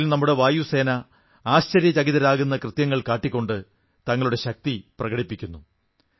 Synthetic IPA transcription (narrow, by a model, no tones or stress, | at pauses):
lnɐmːuɽe̞ʋaːjuse̞ːnɐ | aːɕt͡ɕɐɾjɐt͡ɕɐɣiðɐɾaːɣunːɐkrɨt̪jɐŋːɐɭkaːʈːikʲːo̞ɳɖɨ | t̪ɐŋːɐɭuɽe̞ɕɐk̚t̪iprɐɣɐɽipːikʲːunːu